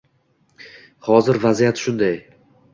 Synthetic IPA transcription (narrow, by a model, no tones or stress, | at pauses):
hɒzɪɾvazijat̪ʃʊnd̪aj